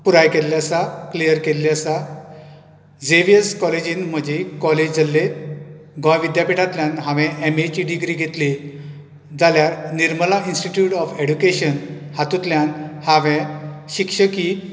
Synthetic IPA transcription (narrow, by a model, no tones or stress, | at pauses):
puɾajkelːjasaklijəɾkelːjasa | d͡zeʋijəskɔled͡ʑiːnm̤əd͡ʑekɔled͡ʑd͡zʱəlːe | ɡɔ̃jʋid̪japiʈat̪ljãnɦãʋɛ̃ʔemet͡ɕiɖiɡɾiɡʱet̪le | d͡zaljaɾniɾməlainsʈiʈjuʈɔfeɽukeɕən | hat̪ut̪ljanhãʋɛ̃ɕikʂəki